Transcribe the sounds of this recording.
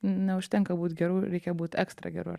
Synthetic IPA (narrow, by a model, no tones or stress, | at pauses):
nʲɛʊʃt̪ʲɛŋkɐbuːt̪ɡʲɛɾuːɾʲɛɪkʲɛbuːt̪ɛkst̪ɾɐ̰ɡʲɛ̰ɾṵ